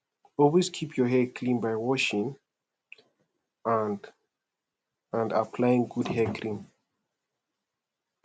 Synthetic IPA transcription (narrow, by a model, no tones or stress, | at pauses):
ɔlˠweskʰipʰjɔɦɛkʰlĩnbajwɔʃɪ̃ŋ | an | ə̃nda̰pʰlajɪ̃ŋɡudhɛkʰɹĩm